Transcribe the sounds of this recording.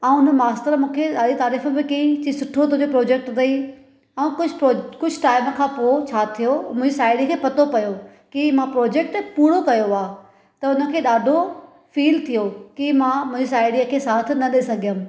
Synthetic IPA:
ɛ̃ũʊnəmaːsʈəɾmũːkʰeɗaːɗit̪aːɾiːfəbɪkɐɦĩt͡ɕisʊʈʰot̪oɦʊ̃ɲd͡ʑopɾoːd͡ʑeːk̚ʈd̪ɐi | ɛ̃ːkʊd͡ʑʱokʊd͡ʑʱʈaːɪmkʰãːpoːt͡ɕʰaːt̪ʰijomʊ̃ʊ̃d͡ʑisaːɪɽikʰeːpɐt̪opɐjo | kimãpɾoːd͡ʑeːk̚ʈpuːɽokɐjoaː | t̪ɐʊnə̆kʰeːɗaːɖʱo | fiːlt̪ʰijokimãmʊ̃ɦɪ̃ɲd͡ʑisaːɪɽiəkʰeːsaːt̪ʰnɐɗesɐɡʱijəm

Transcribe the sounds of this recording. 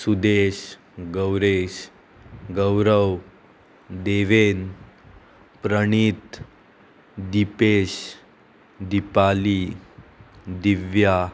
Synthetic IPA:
sud̪eɕ | ɡəwɾeɕ | ɡəwɾəw | d̪eʋen | pɾəɳ̃it̪ | d̪ipeɕ | d̪ipali | d̪iʋja

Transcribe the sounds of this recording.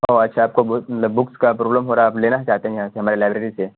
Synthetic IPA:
ɦoɐtːʃʰaaːp̚kobmɐt̪ləbːʊkskapɾoːbləmɦoːɾaaːpleːnat͡ʃaːɦt̪eɦɛ̃jɐɦãseɦɐmaːɾelaːɪbɾeːɾise

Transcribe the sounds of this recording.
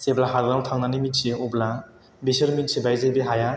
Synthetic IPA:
seblaɦaɾdantʰaŋnanimitseɔbla | besəɾmitsebajzajbeɦaja

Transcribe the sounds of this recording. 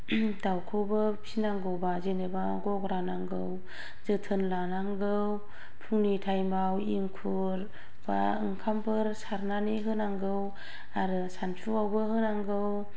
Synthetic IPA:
dawkʰɯwbɯpʰinaŋɡɯwbazeneba | ɡɔkɾanaŋɡɯw | zɯtʰɯnlanaŋɡɯw | pʰuŋnitʰajmbawiŋkʰu | ɾ | b̥aɯŋkʰampʰɯɾsaɾnaniɦɯnaŋɡɯw | aɾɯsant͡ʃʰuawbɯɦɯnaŋɡɯw

